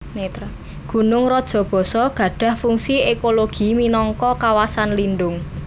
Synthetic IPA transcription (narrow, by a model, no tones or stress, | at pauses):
net̪ | ɡ̥ṳnʊŋrɔd̥ʒ̥ɔ̤b̥ɔ̤sɔɡ̥ä̤ɖ̥a̤hfuŋsiekoloɡ̥i̤minɔŋkɔkawasanlinɖʊŋ